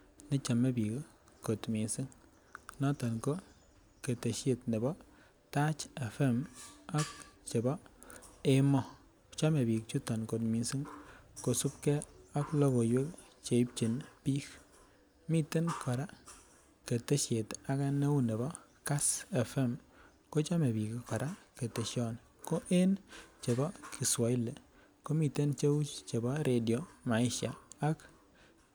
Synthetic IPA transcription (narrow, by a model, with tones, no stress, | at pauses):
ne˦t͡ʃa˨me˦bi˨k | ko˨tmi˨nsi˦ŋ | nɔ˦tɔ˨nko˦ | ke˨te˨ʃe˨tne˨bɔ˦ | ta˦t͡ʃe˨fɛ˦˨ma˦k̚t͡ʃe˨bɔ˦e˦mɔ˦˨ | t͡ʃa˦me˨bi˨k̚t͡ʃu˦tɔ˨nko˨tmi˨nsi˦ŋko˨su˦p̚ke˦a˦klo˦ko˨jwe˦kt͡ʃe˨i˦p̚t͡ʃe˨npi˦k | mi˦te˦nkʰɔ˨ɾa˦ | ke˨te˦ʃe˨ta˨ka˦ne˦wu˦ne˨bɔ˦ | ka˦sɛ˨fɛ˦m | ko˦t͡ʃa˦me˨bi˨ki˨kɔ˨ɾa˦ke˨te˨ʃɔ˦n | ko˦ʔe˦nt͡ʃe˨bɔ˦kʰi˨swa˨i˦le˨ | ko˦mi˨te˦nt͡ʃe˦u˦t͡ʃt͡ʃe˨bɔ˦ɾʔe˨djɔ˨ma˨ɪ˦ʃja̰ː˨˦k